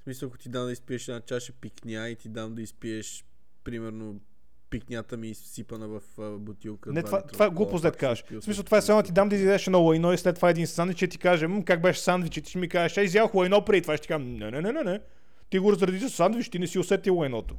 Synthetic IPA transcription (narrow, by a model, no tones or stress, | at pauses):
smisəlˠɐko̥t̪id̪amd̪əispiɛʃɛd̪nat͡ʃaʃɛpiknʲait̪id̪amd̪ɐispiɛʃ | pɾimɛɾno | piknʲat̪əmisipənəvɐfbot̪ilˠkənɛt̪vat̪vaɛɡlˠupozd̪ɛt̪kaʒɛ̥pismisəlˠt̪vaɛsɛɔnɛt̪id̪amd̪ɐizaɛʃɛd̪ɔlˠɐjnɔislɛt̪ːvaɛd̪insanvit͡ʃɛt̪i̥kaʒɛmkak̚bɛʃsand̪vit͡ʃɛt̪i̥ʃmikaʒɛʃɛizjavəxlˠɐjnɔpɾɛit̪vaʃɛt̪ikaʒmnɛnɛnɛnɛnɛ | t̪iɡoɾɐzɾɐd̪izəsand̪viʃt̪inɛsiʊsɛt̪ilˠɐjnɔt̪o̥